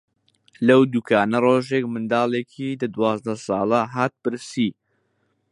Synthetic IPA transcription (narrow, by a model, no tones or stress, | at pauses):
lɐwd̪uːkʰaːnɐroːʒeːkmɨnd̪aːlˠeːkʰid̪ɐd̪wɑːzd̪ɐsɑːlˠɐɦaːt̪̚pɨɾsiː